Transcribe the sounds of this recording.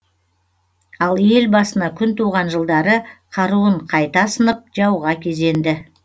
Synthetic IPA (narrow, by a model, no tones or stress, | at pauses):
ɑlˠje̞lbɑsənɑkʲʰʏnt̪ʰuʁɑnʒəlˠd̪ɑɾəqʰɑɾuəɴqʰɑjt̪ɑsənəp̚ʒɑwʁɑkʲʰe̞ze̞nd̪ɪ